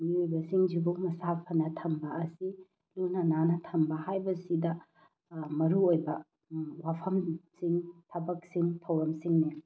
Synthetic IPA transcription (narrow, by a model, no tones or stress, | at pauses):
miojbɐsiŋd͡ʒibumɐsapʰɐnɐtʰɐmbɐːsi | lunɐnanɐtʰɐmbɐhajbɐsidɐ | mɐɾuojbɐ | wapʰɐmsiŋtʰɐbɐk̚siŋtʰɐwɾɐmsiŋni